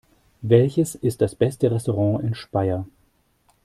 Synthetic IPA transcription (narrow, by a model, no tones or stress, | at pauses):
vɛlçəsɪst̚d̥asb̥ɛstəʁɛstoʁɑ̃ːʔɪnʃpaɪɐ